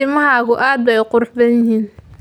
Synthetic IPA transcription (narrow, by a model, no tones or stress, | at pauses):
ɪmɐɦaːɣʊʔaːd̪̚bɛjqʊrħbɐnjɪhiːn